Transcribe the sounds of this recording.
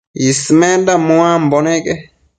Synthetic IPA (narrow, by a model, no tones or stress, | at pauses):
ismendamoamboneke